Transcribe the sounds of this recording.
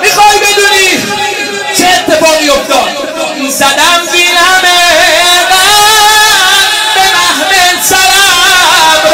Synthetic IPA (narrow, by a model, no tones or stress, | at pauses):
mixɒjbed̪uːni | t͡ʃʰeːt̪ʰːefɒːɣijoft̪ɒd̪ | zad̪æmbinameva | benæhmesaɾa